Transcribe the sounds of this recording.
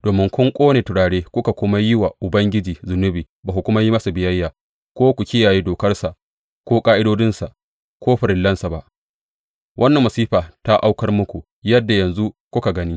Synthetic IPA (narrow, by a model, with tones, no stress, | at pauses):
d̥oː˨mɪ˦ŋkʷʊ˦ŋkʷʼoː˦neː˨tʊ˨ɽaː˨ɽeː˦kʷʊ˦ka˨kʷʊ˦ma˦jɪ˦wa˨ʔʊ˨bɐ˦ŋɡʲɪ˦d͡ʒiː˨zʊ˨nʊ˦biː˨baː˨ku˨kʷʊ˦ma˦ji˦mɐ˦sa˨bɪ˨jɐ˦jːaː˨ | kʷoː˦kʷu˨kʲɪ˦jaː˨ji˦doː˨kɐ˦rsa˨ʔ | kʷoː˦kʼaː˦ʔɪ˦doː˦dɪ˦nsa˨ʔ | kʷoː˦ɸɪ˨ɾɪ˨lːɐ˦nsa˨ba˦ | wʔɐ˦nːɐ˨mːɐ˨siː˦ɸaː˨ta˦ʔa˦wkɐ˦rmʊ˦kʷu˨ | jɐ˦dːa˨jɐ˨nzu˦kʷʊ˦ka˨ɡɐ˦ni˦